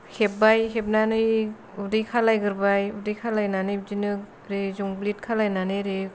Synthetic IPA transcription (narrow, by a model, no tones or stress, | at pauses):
hep̚bajɦep̚nanɯj | udɯjkʰalajɡɯɾbajudɯjkʰalajnanɯjb̚d͡ʒinɯk | ɾezuŋblit̚kʰalajnanɯɾe